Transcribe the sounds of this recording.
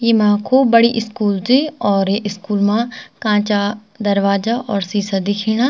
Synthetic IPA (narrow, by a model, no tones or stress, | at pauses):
jimãːkʰoːbəɽiʔɪskuːld͡ʒiɔːɾeʔɪskuːlmãːkãːt͡ʃaː | d̪əɾʋaːd͡ʒaːʔɔːɾsiːsad̪ɪkʰiːɽ̃aː